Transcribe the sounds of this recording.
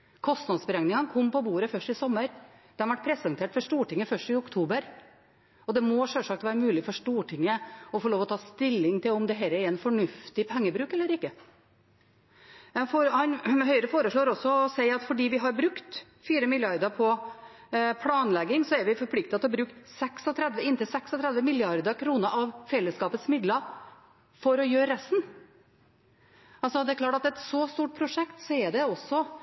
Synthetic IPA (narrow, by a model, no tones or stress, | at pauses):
kʰɔst̪nɑd̪sbɾɛŋnɪŋɑnkʰɔmːpɔbuːɾəfœʂʈɪsɔmːəɾ | d̪̥ɛhɑɾʋæʈ̚ːpʰɾɛsɑŋt̪ʰeːʈfɔʂʈuːʈɪŋːəfœʂʈɪʊkt̪ʰuːbəɾ | ɔd̪ɛmɔʂɛlʂɑk̚t̪ʋæːɾəmʉːlɪfɔʂʈuːʈʰɪŋːəɔfɔːɭoːʋɔt̪ʰɑːst̪ɪlːɪŋt̪ʰɪlɔmd̪ɛɦɛːɾəɛɾɛnfɔɳʉft̪ɪpʰɛŋːəbɾʉːkɛlːəɾɪkːə | fohɑnɦœʏɾəfoːɾəʂɭoːɾɔsːɔɔsæɪɑt̪fɔɖiːʋɪɦɑɾbɾʉkt̪ | fiːɾəmɪljɑɾd̪əɾpʰɔ | pʰlɑːnlɛɡɪŋsɔɛɾʋɪfɔɾpʰlɪk̚t̪ɑt̪ɔbɾʉːk̪sɛksɔt̪ʰɾɛd̪ʋəɪnt̪ɪlsɛksɔt̪ʰɾɛd̪ʋəmɪljɑɾd̪əɾkʰɾuːnəɾʔɑʋfɛlːəskɑːpət̪smɪd̪ləɾ | fɔɾɔjøːɾɛst̪n | ɑlsɔd̪ɛæɾkʰlɑːʈɑt̪ɛt̪sɔst̪uːʈ̚pʰɾʊʂɛkt̪sɔɛɖɛɔsːɔ